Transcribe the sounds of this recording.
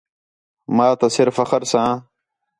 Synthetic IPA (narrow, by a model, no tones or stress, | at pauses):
maːt̪ɐsɪɾfɐxəɾsãː